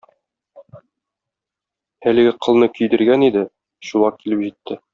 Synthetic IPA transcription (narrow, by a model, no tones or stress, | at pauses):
ælɘ̆ɡɘqʰɤ̆lˠnɤkɵ̆jd̪ɘ̆ɾɡænid̪ɘ | ɕulˠɑkːilɘpʑit̪ːɘ